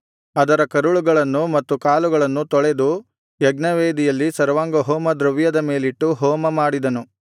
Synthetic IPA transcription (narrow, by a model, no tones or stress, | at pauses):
ɐd̪ɐɾɐkɐɾuɭuɡɐɭɐnːumɐt̪ːukaːluɡɐɭɐnːut̪ɔɭed̪u | jɐɡnɐʋeːd̪ijɐlːisɐɾɐʋaːŋɡɐɦɔːmɐd̪ɾɐʋjɐd̪ɐme̞ːliʈːuɦɔːmɐmaːɽid̪ɐnu